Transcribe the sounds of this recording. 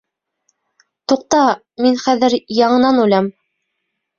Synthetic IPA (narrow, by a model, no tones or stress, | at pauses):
t̪uq̚t̪ɑ | minχæðɘɾjɑɴɤ̆nɑnʉlæm